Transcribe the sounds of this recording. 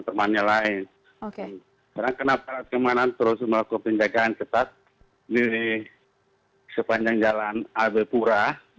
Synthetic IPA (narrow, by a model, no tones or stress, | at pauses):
t̪əmanɲalaɪn | o | kaɾaŋkənapalat̪̚kəmanat̪əɾʊsməlakupəɲd͡ʒaɡaːnkət̪at̪̚ | diwi | səpaɲd͡ʒaŋd͡ʒalanabɛpuɾa